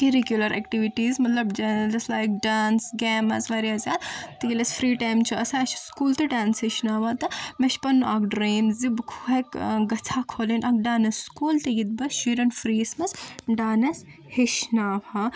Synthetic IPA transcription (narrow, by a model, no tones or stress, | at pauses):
iɾikjulɐɾʔɛ̰kʈiʋiʈiːzmɐt̪lɐbd͡ʒɐd͡ʒɐslaːjk̚ɖaːnsɡɛːmɐ̰sʋaɾiazʲaːd̪t̪iɡilɐsfɾiːʈaːjmt͡ʃʰuɐsaɐʃskuːlt̪ɨɖaːnsɦiʃnaːʋat̪ɐmeʃpɐnːakɖɾeːmzzibkʰuɦɐkɡɐt͡sʰakʰoːlinʔɐk̚ɖaːnɐsːkuːlt̪ɐɡit̪̚bɐʃiɾɐnfɾiːsmɐsɖaːnɐs | hiʃnaːʋa